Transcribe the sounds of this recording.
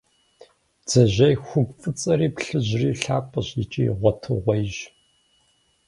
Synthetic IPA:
d͡z̥ɐʑɐjxʷʊɡʷfʼɨt͡sʼɐɾiːpɬɨʑriːɬaːpʼɐɕjit͡ʃʼḭːʁʷɔtʰɨʁʷɔjʒ

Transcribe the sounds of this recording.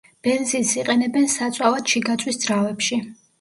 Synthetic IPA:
b̥ɛnzisiqʼɛnɛbɛnsat̪sʼavad̪ʃiɡat̪sʼwisd̪z̥ɾavɛpʃi

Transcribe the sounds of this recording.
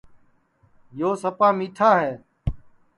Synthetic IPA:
joːsəpaːmiːʈʰaːɦeː

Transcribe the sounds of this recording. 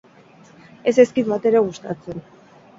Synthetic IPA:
e̞se̞skit̪bat̪e̞ɾe̞ɣust̪at͡se̞n

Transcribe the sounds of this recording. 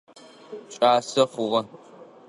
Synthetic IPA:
ɕʼaːsɐχʷʊʁɐ

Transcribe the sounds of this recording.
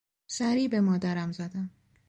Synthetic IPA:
sæɾiːbe̞mɒːd̪æɾæmzæd̪æm

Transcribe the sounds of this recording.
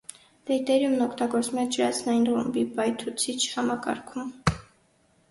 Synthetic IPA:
d̪ɛjt̪ɛɾjumnɔkʰt̪ɑɡɔɾt͡smɛd͡ʒəɾɑt͡sʰnɑjinχṵmbipɑjt̪ʰut͡sʰit͡ʃʰhɑmɑkɑ̰ɾkʰum

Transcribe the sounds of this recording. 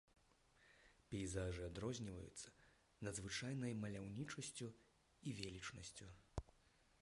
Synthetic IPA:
pʲɛjzaʐɨad̪ɾɔzʲnʲivɐ̰jṵt̪sːɐ̥ | nɐd̪zvɨt͡ʂajnɐjmɐlʲawnʲit͡ʂɐsʲt͡sʲu | ivʲelʲit͡ʂnɐsʲt͡sʲu

